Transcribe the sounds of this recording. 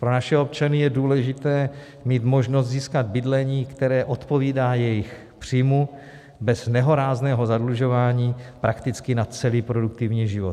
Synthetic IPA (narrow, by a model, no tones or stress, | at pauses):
pɾonaʃɛo̞p̚t͡ʃanɪjɛduːlɛʒɪt̪ɛː | miːt̪mo̞ʒnost̪ziːskad̪̚bɪdlɛɲiːkt̪ɛɾɛːʔo̞t̪po̞viːdaːjɛjɪx | pr̥ijmu | bɛznɛɦo̞ɾaːznɛːɦo̞zadluʒo̞vaːɲiːpɾʔakt̪ɪt͡skɪnat͡sɛliːpɾo̞duk̚t̪ɪvɲiːʒɪvot̪